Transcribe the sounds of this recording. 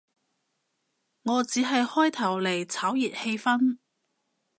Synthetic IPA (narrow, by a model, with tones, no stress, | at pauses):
ŋɔː˨˧t͡siː˨˥ɦɐ˨jhɔː˥jt̪ʰɐ˨˩wle˨˩jt͡sʰaː˨˥wjiː˨t̚he˧jfɐ˥n